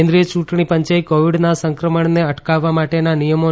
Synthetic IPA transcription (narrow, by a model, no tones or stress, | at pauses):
end̪ɾijət͡ʃũʈɳ̃ipəɲt͡ʃaikoʋiɽnasə̃ŋkɾəməɳneəʈkaʋːamaʈenanijəmo